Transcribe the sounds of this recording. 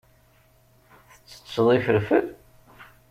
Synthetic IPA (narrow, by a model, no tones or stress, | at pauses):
θə̥t͡sːə̥səðˤifəɾfəl